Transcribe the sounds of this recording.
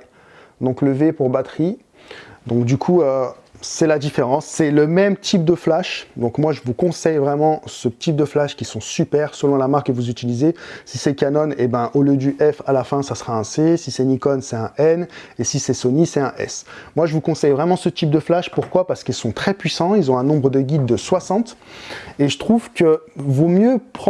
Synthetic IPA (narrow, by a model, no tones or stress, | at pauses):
d̪ɔ̃kləvepuʁbat̪χi | d̪ɔ̃kd̪ykʰuø | sɛlad̪ifeʁɑ̃sːɛləmɛmt̪ʰip̚d̪əflaʃd̪ɔ̃kmwaʒəvukɔ̃sɛjvʁɛmɑ̃sət̪ip̚d̪əflaʃkʲisɔ̃sypɛʁsəlɔ̃lamaʁkːəvuzyt̪ilizesisɛkanɔnebɛ̃ʔoljəd̪yʔɛfalafɛ̃sasχaɛ̃sesisɛnikɔnsɛɛ̃ʔɛnesisɛsɔnisɛt̪ɛ̃ʔɛ̰smwaʒəvukɔ̃sɛjvʁɛmɑ̃sət̪ip̚d̪əflaʃpuʁkwapaʁsə̥kilsɔ̃t̪χɛpɥisɑ̃ilzɔ̃ɛ̃nɔ̃bʁəd̪əɡʲid̪ːəswasɑ̃t̪eʒət̪χuv̥kəvomjøpχ